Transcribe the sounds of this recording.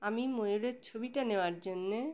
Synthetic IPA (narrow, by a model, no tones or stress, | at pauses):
amimojoɾeɾt͡ɕʰobiʈaneoaɾd͡ʑonːe